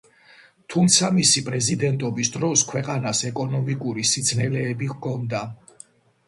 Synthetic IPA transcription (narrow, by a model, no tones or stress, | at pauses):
t̪ʰumt̪sʰamisipʼɾɛzid̪ɛnt̪ʼɔbisd̪ɾɔskʰwɛqʼanasɛkʼɔnɔmikʼuɾisid̪sʰnɛlɛːbiɣkʰɔnd̪a